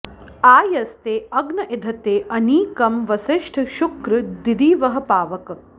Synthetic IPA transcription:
aːjɐst̪eːɐɡnɐʔed̪ʱɐt̪eːʔɐniːkɐmʋɐsiʂʈʰʃukɾɨd̪id̪iːʋɐɦɐ̆paːʋɐkɐ

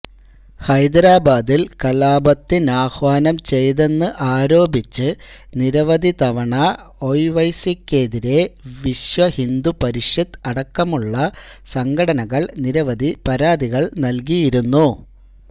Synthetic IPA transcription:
hɐjd̪ɾaːbaːd̪ilkɐlaːbɐt̪ːinaːxʋaːnɐmt͡ɕe̞jðe̞nːɨʔaːɾo̞ːbit͡ɕːɨniɾɐʋɐd̪it̪ɐʋɐɳɐ | ojʋɐjsikːeːðiɾe̞ʋiɕʋɐhind̪upɐɾiʂjɐd̪ɐɽɐkːɐmuɭːɐsɐŋɡʱɐɽɐnɐɣɐɭniɾɐʋɐd̪ʱipɐɾaːd̪iɣɐɭnɐlk̬ijiɾunːu

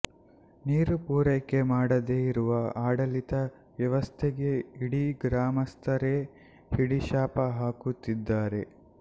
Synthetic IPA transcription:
niːɾupuːɾɐkːe̞maːɽɐd̪eiɾuʋɐaːɽɐlit̪ɐ | ʋjɐʋɐst̪ʰeɡe̞iɽiɡɾaːmɐst̪ʰɐɾe | hiɽiʃaːpɐɦaːkut̪ːid̪ːaːɾe̞

